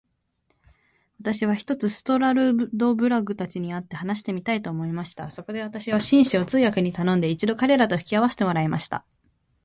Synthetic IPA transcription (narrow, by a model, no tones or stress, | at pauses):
βat̪aɕiβ̞açi̥t̪o̞t͡sɨsɨ̥t̪o̞ɾaɾɯ̟d̪o̞bɯ̟ɾaɡɯ̟t̪at͡ɕiɲ̟iat̪ːe̞hanaɕi̥t̪e̞mʲit̪ait̪o̞ːmo̞imaɕi̥t̪a̰so̞ko̞d̪e̞β̞at̪aɕiβaɕĩɰ̃ɕio̞t͡sɨːjakɯ̟ɲ̟it̪anõnd̪e̞it͡ɕid̪o̞kaɾe̞ɾat̪o̞ɸɯ̟̥kʲiaβ̞ase̥t̪e̞mo̞ɾaemaɕi̥t̪a̰